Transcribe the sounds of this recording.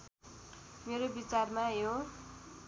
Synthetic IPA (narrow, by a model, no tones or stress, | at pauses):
meɾobit͡sarmajo